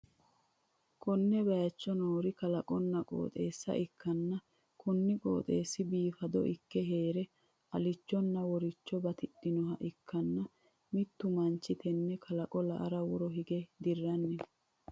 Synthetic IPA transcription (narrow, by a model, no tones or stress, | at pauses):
kʰɔnːɛbɐjɐt͡ʃːɔnoːɾɪkɐlɐkʼɔnːɐkʼo̰ːt̪ʼe̞ːsːɐ̰ʔɪkːɐnːɐ | kʰɔnːɪkʼo̰ːt̪ʼe̞ːsːɪbiːfɐd̪ɔ̰ʔɪkːɛɦe̞ːɾɛ | ʔɐlɪt͡ʃːɔnːɐwɔɾɪt͡ʃːɔbɐt̪ɪɗːɪnɔɦɐʔɪkːɐnːɐ | mɪt̪ːʊmɐnt͡ʃːɪt̪ɛnːɛkʰɐlɐkʼɔlɐ̰ʔɐ̰ɾɐwɔɾɔɦɪɡɛd̪ɪrːɐnːɛ